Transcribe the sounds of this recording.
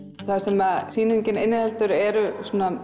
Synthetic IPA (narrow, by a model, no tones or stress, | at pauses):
θasɛmaðsiːnʏɲcɪnɪnːɪhɛlt̪ʏɾɛɾʏsuːna